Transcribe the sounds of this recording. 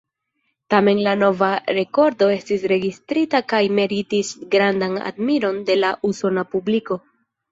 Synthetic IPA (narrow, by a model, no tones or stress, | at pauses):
tame̞nlano̞vaɾe̞ko̞ɾdo̞e̞stisɾe̞ɡistɾitakajme̞ɾitisɡɾandana̰dmiɾo̞nde̞laʔuso̞napubliko̞